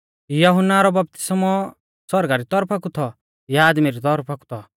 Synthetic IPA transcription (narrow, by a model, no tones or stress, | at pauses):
jɐɦʊnːaɾɔbɐp̚t̪ɪ̥smɔ | sɔɾɡaɾit̪ɔɾpʰakut̪ʰɔ | jaaːd̪miɾit̪ɔɾpʰaku̥t̪ʰɔ